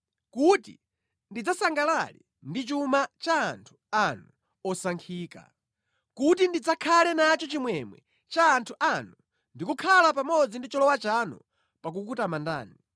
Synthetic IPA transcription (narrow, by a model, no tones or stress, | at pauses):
kutḭ | ndid͡zasaŋɡalalḭ | ndit͡ʃumat͡ʃaːntʰu̥anu | ɔsaŋkʰiːka̰ | kut̬indid͡zakʰalɛnat͡ʃɔt͡ʃimwɛmwɛ̰ | t͡ʃaːntʰuʔanu | ndikukʰalapamɔd͡zindit͡ʃɔlɔwat͡ʃanṵ | pak̬uk̬utamanda̰ːni